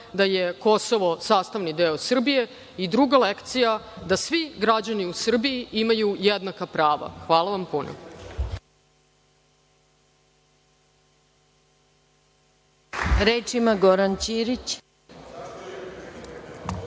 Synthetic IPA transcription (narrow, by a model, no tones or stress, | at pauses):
d̪ajeko̞so̞ʋo̞saːst̪aʋnid̪eːosr̩bije̞ | id̪ɾuɡalekt̪sijad̪asʋiɡɾad͡ʑaniusr̩bijiimajujed̪nakapɾaːʋa̰xʋaːlˠaʋampuno̰ | ɾeːt͡ʃimaɡoɾant͡ɕiːɾit͡ɕ